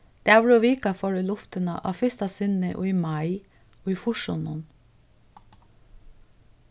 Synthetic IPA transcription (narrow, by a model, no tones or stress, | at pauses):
d̪̥eːæːʋɾoːʋiːkɑfɔɹəlʊft̪ənɑʔɑ̰ːfʏst̪ɑsɪnəʔo̰ːiːmɑɪ | oːiːfʊʃʊnʊn